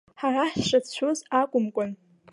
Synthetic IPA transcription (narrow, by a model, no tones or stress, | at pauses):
ħaraħʂat͡ɕʷʰuzakʷʼʊmkʷʼʊn